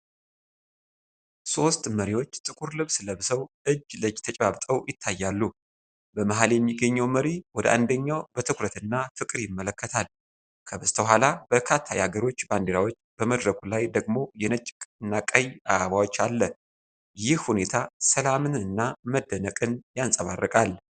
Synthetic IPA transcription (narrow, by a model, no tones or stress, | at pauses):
so̞st̪məɾiwo̞t͡ʃːt̪ʼɨkʼuɾlɨβsləβsəwʔɨd͡ʒləd͡ʒt̪ʰət͡ʃʼβaβt̪ʼəwjɪt̪ʰːajːalːu | bəmaɦaljɛmːiɡəɲːəwməɾiwɔd̪əʔa̰nd̪əɲːawbət̪ʰɨkʰʷɾət̪ɨnːat̪ʰɨkʼɨɾjɪmːələkʰːət̪ʰal | kʰəβəst̪ʰəɦʷalab̥əkʰat̪ʰːajaɡəɾo̞t͡ʃːband̪eɾawo̞t͡ʃːb̥əməd̪ɾəɡʰʼulajd̪əɡmo̞jɛnət͡ʃʼkʼɨnːakʼəjaaβawo̞t͡ʃːalːə | jɪhhune̞t̪ʰasəlamɨnɨnːaməd̪ːənəkʼɨnjansʼəβa̰rːəkʼal